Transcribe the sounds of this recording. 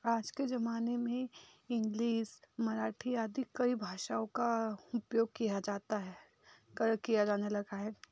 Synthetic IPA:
aːd͡ʒked͡ʒɐmaːnemẽɪ̃ŋɡliːsmɐɾaːʈʰiaːd̪ikɐibʱaːʃaːõkaʊpjoːɡ̚kijad͡ʒaːt̪aɦɛ | kɐɾkijad͡ʒaːnelɐɡaɦɛː

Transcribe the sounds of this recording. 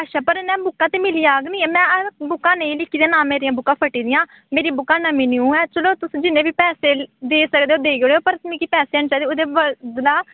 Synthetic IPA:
aːʃaːpəɾnɛ̃ːbʊkːãːt̪eːmɪliːaːɡnĩːɛːmɛ̃ːbʊkːãːneːĩlɪkʰːiːd̪ãːnãːmeːɾijãːbʊkːãːpʰəʈːiːd̪ɪjãː | meːɾiːbʊkãːnəminiːũːɛːt͡ʃəloːt̪ʊsd͡ʒɪnẽːʋiːpɛːseːd̪eːsəkd̪eːoːd̪eːɡoːeːoːpəɾmĩːkiːpɛːseːaːnt͡ʃaːiːd̪eːoːd̪eːbəd̪laː

